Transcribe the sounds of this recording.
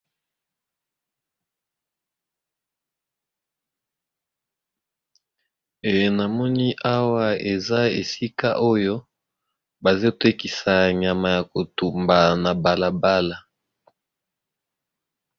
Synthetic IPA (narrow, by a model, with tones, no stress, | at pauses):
e˨je˨na˨mɔ˦ni˦ʔa˦wa˦e˨za˦ḛ˨si˦ka̰˦ʔo˦jo˦ | ba˨ze˦˨te˦ki˨sa˨ɲa˨ma˨ja˨ko˨tu˨mba˨na˨ba˨la˨ba˦la˨